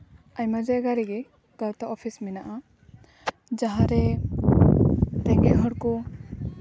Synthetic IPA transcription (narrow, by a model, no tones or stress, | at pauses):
aɲmad͡ʒɛɡaɾiɡɛ | ɡ̥awt̪aʔɔpʰisminaʔa | d͡ʒaɦãɾɛ | t̪ɛɡɛɦɔɽkɔ